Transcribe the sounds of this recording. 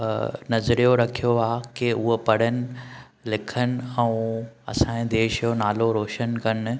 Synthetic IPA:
nɐzɾijoɾɐkʰijoaːkeʊɦopɐɽ̤ənɪ̆ | lɪkʰənɪ̆ɛ̃ũɐ̰sãːẽd̪eːʃjonaːloɾoːʃənkɐn

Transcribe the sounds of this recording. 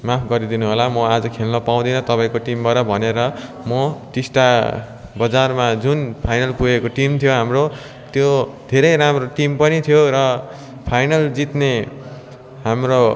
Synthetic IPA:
mapʰɡʌɾid̪inuɦʌlamʌad͡zʌkʰelnʌpaw̃d̪ʌjnʌt̪ʌpaĩkoʈimbaɾʌbʱʌneɾʌ | mʌʈisʈa | bʌd͡zarmad͡zunpʰajnʌlpuekoʈimt̪ʰijoɦamro | t̪jod̪ʱeɾʌjɾamroʈimpʌnit̪ʰjoɾʌ | pʰajnʌld͡zit̪ne | ɦamro

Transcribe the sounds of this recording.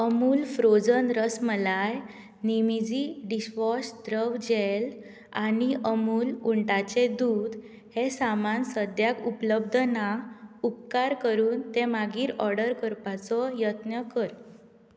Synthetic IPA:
əmuːlfɾod͡zənɾəsməlaj | nimid͡ʑiːɖisʋɔsd̪ɾəʋd͡ʑel | aniʔəmuːluɳʈat͡ɕed̪uːd̪ | hesamansəd̪jakupləb̚d̪ʱnaup̚kaɾkəɾuːnt̪emaɡiːɾɔɾɖəɾkəɾpat͡sɔjət̪nəkəɾ

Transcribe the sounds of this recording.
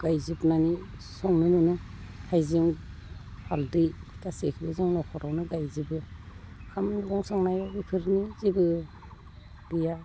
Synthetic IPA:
ɡ̥ajzibnanisɔŋnɯmɯnɯhajziŋ | pʰaldɯjtasekʰibɯzɯŋnɔkʰɔɾawnɯɡajzibɯkʰamnɡɔŋsɔŋnajabipʰɯɾnizibɯ | bija

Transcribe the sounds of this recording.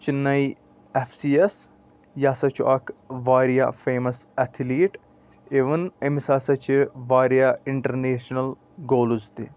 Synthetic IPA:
t͡ʃinɐi | efʰsiːes | jaːsɐt͡ʃʰuʔɐkʋaːɾija̰feːmɐsɛt̪ʰiliːʈ | eʋənɐmisaːsɐt͡ʃiʋaːɾijaɪɳʈɐɾneːʃnɐl | ɡoːlzt̪i

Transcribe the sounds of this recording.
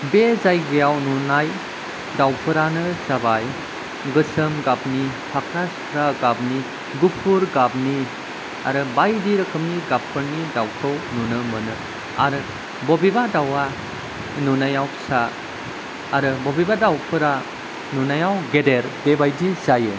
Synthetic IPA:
bezajɡɯjawnunaj | dawpʰɯɾanɯsabaj | ɡɯsɯmɡabni | pʰakʰɾaskʰɾaɡabni | ɡupʰuɾɡabni | a̰ɾɯbajdiɾɯkʰɯmniɡapʰɯɾnidawkʰɯwnunɯmɯnɯ | aɾɯ | bɔbibadawa | nunajawsaː | ɾɯbɔbibadawpʰɯɾa | nunajawɡedeɾb̥ebajdizaje

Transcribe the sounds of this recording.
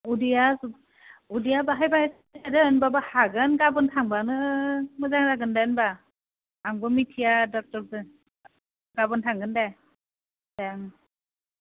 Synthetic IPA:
udijas | udijabaɦajbahajs | adɯːnbabahaɡɯnɡabɯntʰaŋbanɯmɯzaŋzaɡɯndajɯnbaː | ŋbɯmitʰijadɔk̚tɔɾdɯ | ɡabɯntʰaŋɡɯndaj | d̥aŋ

